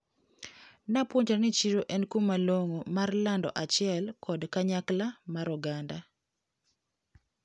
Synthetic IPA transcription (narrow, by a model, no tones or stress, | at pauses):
napwoɲt͡ʃanɪt͡ʃiɾoʔɛnkumaloŋomarlandɔ̰ʔat͡ʃɪɛlkʰɔdkaɲaklamaɾɔɡanda